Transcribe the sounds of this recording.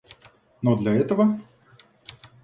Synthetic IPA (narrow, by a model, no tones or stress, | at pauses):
nod̪lʲɐɛt̪əvə